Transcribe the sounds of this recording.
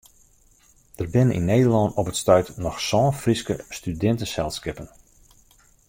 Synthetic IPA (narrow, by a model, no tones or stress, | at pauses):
d̥ərbɪnənʔḭnːejdərlɑnɔpətstœɥtnɔxsɔːnfriskəstydɛntəsɛlˠskɪpən